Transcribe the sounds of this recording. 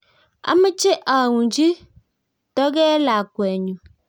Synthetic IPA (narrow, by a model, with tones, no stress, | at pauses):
a̰˦mə˦t͡ʃe˦ʔa˨ŋu˨nd͡ʒi˦ | tɔ˦ɡɛ˦la˨kwɛ˨ɲu˨